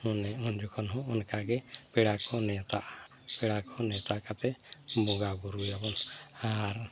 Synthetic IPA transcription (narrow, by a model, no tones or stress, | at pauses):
hɔnɛɔnd͡ʒɔkʰɔnɦɔ̃ɔnkaɡɛpɛɽakʰɔnɛt̪aʔa | pɛɽakʰɔnɛt̪akat̪ɛbɔɡaɡuɾujabɔnaɾ